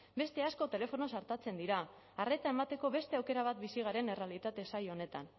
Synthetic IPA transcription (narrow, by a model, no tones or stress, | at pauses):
be̞st̪e̞asko̞t̪e̞le̞fo̞no̞saɾt̪at͡se̞nd̪iɾaː | re̞t̪ae̞mat̪e̞ko̞βe̞st̪e̞awke̞ɾaβ̞at̪̚bisiɣ̞aɾe̞ne̞realit̪at̪esajo̞ne̞t̪an